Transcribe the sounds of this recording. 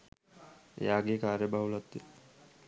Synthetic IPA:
jaɡekaɾjəbʱaulat̪ːe

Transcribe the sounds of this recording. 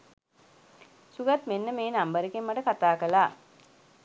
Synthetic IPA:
suɡat̪menːəmeːnambəɾəkemːaʈəkat̪aːkəlaː

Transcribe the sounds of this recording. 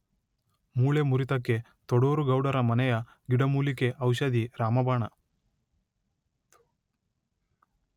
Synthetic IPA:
muːɭemuɾit̪ɐkːe̞ | t̪ɔɽoːɾuɡɐwɽɐɾɐmɐnɛjɐ | ɡiɽɐmuːlike̞ʔɐwʃɐd̪iɾaːmɐbaːɳɐ

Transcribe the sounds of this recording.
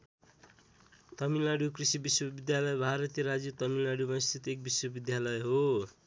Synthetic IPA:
t̪ʌmilaɽjukrisibiswʌbid̪jalʌjbʱaɾʌt̪jeɾad͡zut̪ʌmilaɽubʌj̃st̪ʰit̪ek̚biswʌbid̪jalʌjɦo

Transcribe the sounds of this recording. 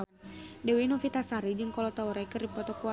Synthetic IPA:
dɛwinɔfit̪asaɾid͡ʒɨŋkɔlɔt̪auɾaikərdipɔt̪ɔkua

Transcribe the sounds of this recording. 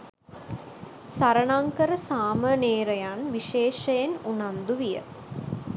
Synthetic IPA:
saɾɐɳaŋkəɾəsaːməneːɾɐjanʋiʃeːʂɐjenunand̪uʋijə̰

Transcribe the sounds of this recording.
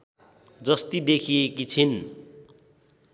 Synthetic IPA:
d͡zʌst̪id̪ekʰiekit͡sʰin

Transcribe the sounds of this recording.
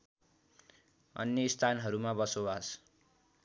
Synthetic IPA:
ʌ̰njʌist̪ʰanɦʌɾumabʌsoas

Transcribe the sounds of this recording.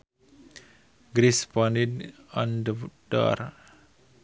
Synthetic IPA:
ɡɾispɔ̃ndidɔ̃ndəda̰ɾ

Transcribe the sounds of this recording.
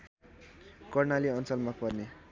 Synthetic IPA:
kʌrnaliʌnt͡sʌlmʌk̚pʌrne

